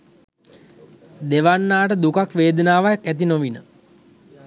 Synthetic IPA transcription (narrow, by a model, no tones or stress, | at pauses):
d̪eʋanːaːʈəd̪ukakʋeːd̪ənaːʋajakæt̪̬inoʋinə